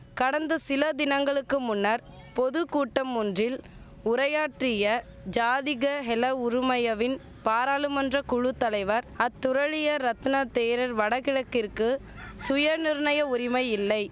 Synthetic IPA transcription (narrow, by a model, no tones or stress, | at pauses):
kɐɽɐnd̪ɐsɪlɐd̪ɪnɐŋɡɐɭɯkːɯmʊnːɐɾ | pɔðɯkuːʈːɐmːʊndrɪl | ʊɾɐjaːʈrɪjɐ | d͡ʒaːðɪɣɐɦɛlɐʊɾʊmɐjɐʋɪn | paːɾaːlɯmɐndrɐkʊɻɯt̪ːɐlɐɪʋɐɾɐt̪ːʊɾɐɻɪjɐɾɐt̪nɐt̪eːɾɐɾʋɐɽɐɣɪɻɐkːɪrkɯ | sʊjɐɾnɪɾɯɳɐjɐʊɾɪmɐɪɪlːɐɪ